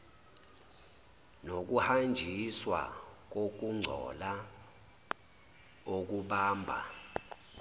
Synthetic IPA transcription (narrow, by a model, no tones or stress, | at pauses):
nok̬uhand͡ʒʱiswa̰k̬ok̬uŋ͡ǀʱɔ̰la | ok̬uɓaːmbʱa̰